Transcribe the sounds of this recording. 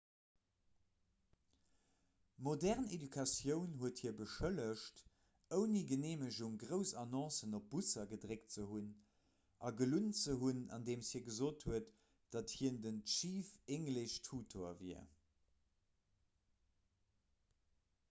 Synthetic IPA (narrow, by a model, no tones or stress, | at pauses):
modɛʁnedykʰɑsjəʊnɦuəthiːɐbəʃələʃt | əʊniɡəneːməʑuŋɡʁəʊsɑnɔ̃ːsənop̚b̥usɐɡədʁekt͡səɦun | ʔɑ̰ɡəlunt͡səɦunɑ̰ndeːmshiːɐɡəzoːthuət | d̥ɑthiːndənʃiːfeŋləɕtʰuːtʰoɐviɐ